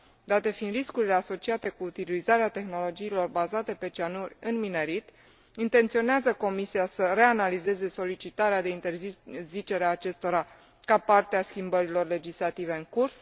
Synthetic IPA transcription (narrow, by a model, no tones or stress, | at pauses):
d̪at̪e̞find̪ɾiskuɾile̞aso̞t͡ʃiat̪e̞kuːt̪ilizaɾeat̪e̞xno̞lo̞d͡ʒiːlo̞rbazat̪e̞pe̞t͡ʃianurʲɨnmine̞ɾit̪ | int̪e̞nt̪sio̞neazəko̞misiasəre̞analize̞ze̞so̞lit͡ʃit̪aɾead̪e̞int̪e̞rzizit͡ʃe̞ɾeaːt͡ʃe̞st̪o̞ɾa | kapart̪easkʲimbəɾilo̞rle̞d͡ʒislat̪ive̞ɨŋkurs